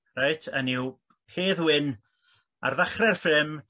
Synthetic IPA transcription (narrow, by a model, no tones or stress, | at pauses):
rajtʰənɪw | heːðwɪn | a̰rðaχrɛrfɪm